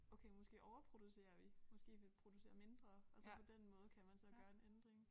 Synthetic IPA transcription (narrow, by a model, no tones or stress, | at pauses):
okʰeɪmɒ̽sɡ̥e̝̰ːʔɒʊɐpʰʁo̝d̥use̝̰ːɐʋimɒ̽sɡ̥e̝̰ːʋipʰʁo̝d̥use̝̰ːɐme̝nd̥ʁɐɒlsɒ̽pʰɒ̽d̥enmɔ̽ːð̞̩ˠkʰæmænsɒ̽ɡ̥ɶːɐe̝nend̥ʁeŋ